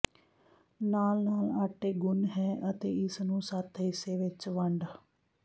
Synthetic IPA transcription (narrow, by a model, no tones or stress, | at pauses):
naːlnaːlaːʈeːɡʊnɦɛːʔət̪eːɪsnũːsat̪ʰɦɪseːʋɪt͡ʃʋəɳɖː